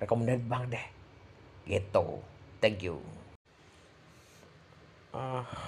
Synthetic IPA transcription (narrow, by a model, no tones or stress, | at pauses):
rekɔmandɛnt̪̚baŋdɛh | ɡet̪o̰t̪ɛŋkjṵ | a